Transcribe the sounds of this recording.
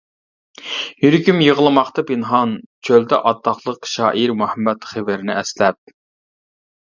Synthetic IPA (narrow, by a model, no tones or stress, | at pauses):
jyɾkʲymjəʁəlˠɨmɑχt̪ɑpɪnɦɑnt͡ʃʰøld̪ɛ̰ʔɑt̪ʰːɑχlˠəqʃɑːʔiɾmuhɛmːɛt̪χɪvɪɾɪnɪɛslɛp̚